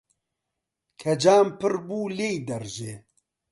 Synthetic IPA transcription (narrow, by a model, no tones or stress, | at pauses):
kʰɐd͡ʒaːmpɨɾbuːleːjd̪ɐɾʒeː